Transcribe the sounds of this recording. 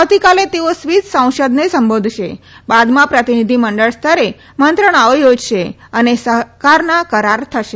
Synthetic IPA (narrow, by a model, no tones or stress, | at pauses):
awt̪ikalet̪eosʋit̪sə̃w̃ʃəd̪nesəmbod̪ʱʃe | bad̪mãpɾət̪inid̪ʱiməɳɖəɭst̪ʰəɾe | mənt̪ɾəɳ̃aʋəjod͡ʒʃe | ənesəkaɾnakəɾaɾt̪ʰəʃe